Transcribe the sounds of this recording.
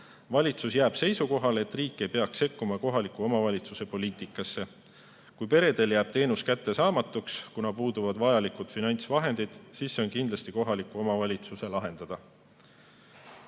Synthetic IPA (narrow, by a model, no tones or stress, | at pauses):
vɑlʲit̪susjæːb̥se̞jsuko̞ɦɑle̞t̪ˑriːkːˑe̞jpe̞ɑkse̞kːumɑko̞ɦɑlikuo̞mɑvɑlʲit̪suse̞po̞liːt̪ˑikːˑɑsːe̞ | kujpe̞ɾe̞d̪e̞ljæːb̥̚t̪e̞ːnuskæt̪ːe̞sɑːmɑt̪ːˑukskunɑpuːd̪̥uvɑd̪̥vɑjɑlikud̪̥finɑnʲt̪svɑɦe̞nd̪id̪̥siːsːeo̞nkind̪lɑst̪iko̞ɦɑlikːˑuo̞mɑvɑlʲit̪suse̞lɑɦe̞nd̪̥ɑd̪̥ɑ